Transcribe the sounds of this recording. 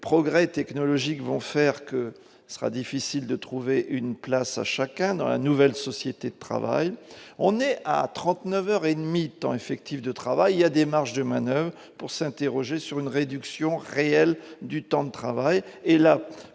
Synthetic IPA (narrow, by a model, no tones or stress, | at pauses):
pχɔɡʁɛt̪ɛknɔlɔʒikvɔ̃fɛʁkə | sə̥ʁa̰d̪ifisild̪ət̪χuveʔynplasa̰ʃakʲɛ̃d̪ɑ̃la̰nuvɛlsɔsjet̪ed̪ət̪χa̰va̰jɔ̃nɛa̰t̪χɑ̃t̪nœvœʁed̪mit̪ɑ̰̃efɛk̚t̪ifd̪ət̪χavajiljad̪emaʁʃd̪əmanœvʁə | puʁsɛ̃t̪eʁɔʒesyʁynʁed̪yksjɔ̃ʁeɛld̪yt̪ɑ̃d̪ət̪χavajela